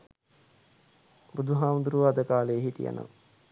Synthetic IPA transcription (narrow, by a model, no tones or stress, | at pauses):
bud̪ʱuɦaːmund̪uɾuʋaːd̪əkaːlejːɦitija̰nʔə̰